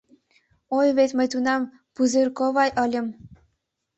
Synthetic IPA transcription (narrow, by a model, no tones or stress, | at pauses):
ojβet̪mə̆jt̪unɑm | puzerkoβɑjʔɤ̆lʲə̆m